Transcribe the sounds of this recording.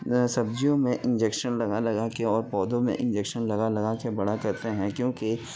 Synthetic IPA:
sɐb̚d͡ʒijõmẽʔɪ̃nd͡ʒeːkʃənlɐɡalɐɡakeɔːɾpɔːd̪õmḛ̃ʔɪ̰̃nd͡ʒeːkʃənlɐɡalɐɡakebɐɽakɐɾt̪eɦɛ̃kjõːki

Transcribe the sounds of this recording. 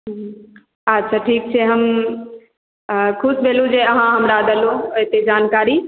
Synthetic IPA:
ɦ | ɐtːʃʰaʈʰiːk̚t͡ɕʰeɦɐm | kʰʊsbeːlũd͡ʑeːɐɦãɦɐmɾad̪ʱəlũɦɪt̪ed͡ʑaːnkaːɾi

